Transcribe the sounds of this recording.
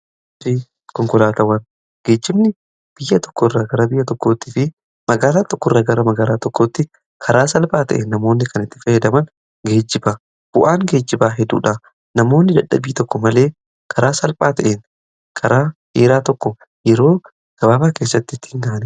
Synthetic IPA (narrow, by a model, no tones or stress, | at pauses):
fɪ | kɔŋkɔlaːt̪ɐwɐn | ɡ̥e̞ːd͡ʒːɪbnɪ | b̥ɪjːɐt̪ɔ̥kːɔɪrːaːɡɐɾɐbɪjːɐt̪ɔkːo̞ːt̪ːiːfɪ | mɐɡaːlaːt̪ɔkːɔɪrːaːɡɐɾɐmɐɡaːlaːt̪ɔkːoːt̪ːɪ | kʰɐɾaːsɐlpʼaːt̪ɐ̰ʔeːnːɐmo̞ːnːɪkʰɐnɪt̪ːɪ̥fɐjɛd̪ɐmɐn | ɡe̞ːd͡ʒːɪba | b̥ʊʔaːŋɡe̞ːd͡ʒːɪbaːɦɛd̪ṵːᶑa | nɐmo̞ːnːɪd̪ɐᶑɐ̰biːt̪ɔkːɔmɐle̞ː | kʰɐɾaːsɐlpʼaːt̪ɐʔeːn | kʰɐɾaːheːɾaːt̪ɔkːɔ | jɛɾo̞ː | ɡ̥ɐbaːbaːke̞ːs̬ːɐt̪ːɪt̪ːɪ̥hɪŋɡaːʔnɛ